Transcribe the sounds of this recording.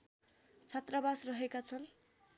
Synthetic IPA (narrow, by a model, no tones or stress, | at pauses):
t͡sʰʌt̪rabasrʌɦekat͡sʰʌn